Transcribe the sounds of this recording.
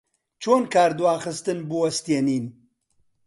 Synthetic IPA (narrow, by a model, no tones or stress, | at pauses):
t͡ʃʰoːnkaːɾd̪uwaːxɨst̪ɨnbuwɐst̪ieniːn